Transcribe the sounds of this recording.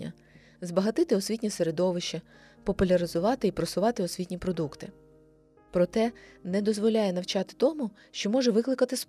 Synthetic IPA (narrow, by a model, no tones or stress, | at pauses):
ɐ̰ | zbɐɦɐt̪ɪt̪ɪɔsʲʋʲitʲnʲiseɾed̪ɔʋɪʃt͡ʃɐ | pɔpʊlʲɐɾɪzʊʋɑt̪ɪipɾɔsʊʋɑt̪ɪɔsʲʋʲitʲnʲipɾɔd̪ukt̪ɪ | pɾɔt̪ɛnɛd̪ɔzʋɔlʲajɛnɐwt͡ʃɑt̪ɪ̥t̪ɔmʊ | ʃt͡ʃɔmɔʒɛʋɪklˠɪkɐt̪ɪs